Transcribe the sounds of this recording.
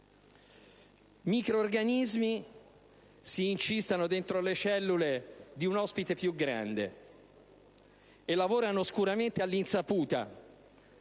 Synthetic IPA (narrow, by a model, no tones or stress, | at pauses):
miːkɾoːrɡanizmi | siːnt͡ʃist̪anod̪ent̪ɾolet͡ʃɛlːuled̪iunɔspit̪epjuɡɾa̰nd̪ḛ | elːavoːɾanoskuɾament̪ealːinsapuːt̪a̰